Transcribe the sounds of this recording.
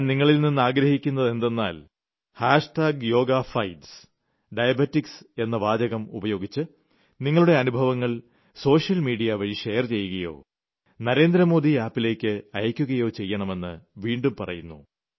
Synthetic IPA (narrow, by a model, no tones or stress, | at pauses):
niŋːɐɭilninːɨaːɡɾɐhikʲːunːɐðe̞nd̪e̞nːaːl | haːʂʈaːɡjo̞ːɡafɐjɖs | ɖɐjɐbɐtːikse̞nːɐʋaːd͡ʑɐɣɐmṵbɐjo̞ːɡit͡ɕːɨ | niŋːɐɭuɽe̞ɐnubʱɐʋɐŋːɐɭ | so̞ːʂjɐlmiːɖijɐʋɐɻiʂe̞jɐrt͡ɕe̞jːuɣɐjo̞̰ː | nɐɾe̞ːnd̪ɾɐmo̞ːd̪iaːpːile̞ːkʲːɨɐjɐkʲːuɣɐjo̞ːt͡ɕe̞jːɐɳɐme̞nːɨʋiːɳɖumpɐrɐ̰junːu